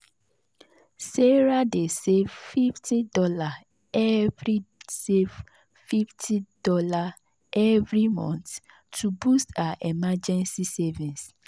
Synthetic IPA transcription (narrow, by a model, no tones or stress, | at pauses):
seɹadesevfiftʰidɔla | ɛvɹisev | fiftʰid̥ɔla | ɛvɹimɔ̰̃nt | tubustaaʔɛmad͡ʒɛ̃nsisɛvĩns